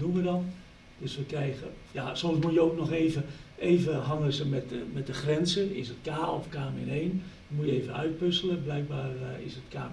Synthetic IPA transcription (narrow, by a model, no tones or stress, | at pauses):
dunʋədɔn | d̥øsʋəkrɛjɣəjasɔmsmujəoːknɔxeːvəeːvəɦɑŋəsəmɛtmɛt̚dəxrɛnzəɪ̰sətkaːɔ̰fkaːmɪ̰neːn | mujəeːvənœ̰ɥt̚pøsələblɛjk̚baːrɪ̰sətka̰ː